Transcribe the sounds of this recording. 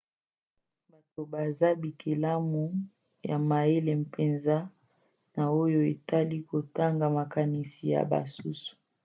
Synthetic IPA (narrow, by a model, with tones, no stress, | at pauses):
ba˨to˨ba˨za˦bi˨kʰe˨la˦mu˨ | ja̰˨ma˨e˦le˨m˨pʰe˨nza˦ | na˨o˦jo˦e˨ta˦li˦ko˨ta˦ŋɡa˨ma˨ka˨ni˨si˨ja̰˨ba̰˨su˦su̥˨